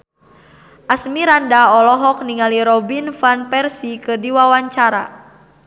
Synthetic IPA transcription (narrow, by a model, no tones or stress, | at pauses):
ʔasmiɾandaɔlɔɦɔk̚niŋaliɾɔbinfanpɛrsikədiwawaɲt͡ʃaɾa̰